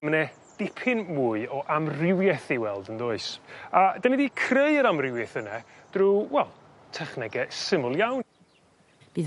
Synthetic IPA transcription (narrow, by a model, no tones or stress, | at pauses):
nɛ | d̥ɪpʰɪnmuːɨɔʔamrɪwjɛθiwɛlˠdənðoːɨsadanidiːkʰreɨəɾamrɪwjɛθənɛd̥ruwɛlˠ | tʰɛχnɛɡɛsɪmʊlˠjawn | b̥iː